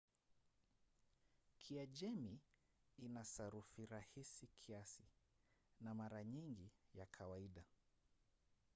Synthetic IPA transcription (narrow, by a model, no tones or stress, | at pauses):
kʰiaʄɛmi | inasaɾufiɾahisikʰiasi | namaɾaɲiŋɡijakʰawaiɗa